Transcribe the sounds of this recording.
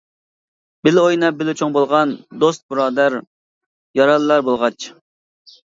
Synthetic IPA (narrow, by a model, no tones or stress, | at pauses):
b̥ɪlojnɑbɪlɪt͡ʃʰoŋbolˠʁɑnd̪ost̪̚bɨɾɑːd̪æɾ | jɑɾɑlˠɨːɑɾbolˠʁɑt͡ʃ